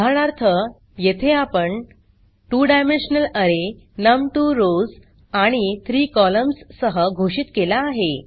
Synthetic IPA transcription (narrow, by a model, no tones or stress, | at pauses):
aɽ̃aɾt̪ʰə | jet̪ʰeapəɳ | ʈuːɖajmenɕnələɾe | nəmʈuɾod͡z | aɽ̃it̪ʰɾiːkɔləmsːəɦəɡʱoɕiːt̪kelaːɦe